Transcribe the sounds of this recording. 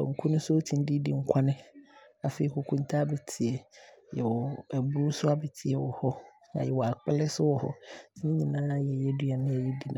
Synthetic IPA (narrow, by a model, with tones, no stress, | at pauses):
ɔ̰˨ŋ̩˨kʰʊ˦nʊ̃˦sʊ˦o˦tʰĩ˨n˦di˦di˨ŋ̩˦kʷʰa˦nɪ̃˦ | a˨fe˨i˨kʊ˨kʰũ˦n̩˦tʰa˦bɛ˨tʰɪ˨ɛ˨ | jɛ˨wɔ˨ɛ˨bʊ˨˦ɾu˦sʊ˦a˦bɛ˨tʰɪ˨ɛ˨wɔ˨hɔ˦ | nã̰˨jɛ˨wɔ˨a˨k͡pɛ˦lɛ˦sʊ˦wɔ˨hɔ̰˦si˦nɪ̃˦ɲĩ˨nãː˦a˦jɛ˨jɛ˦du˦a˨nɪ̃˦ɛ˨jɛ˦di˨nã˨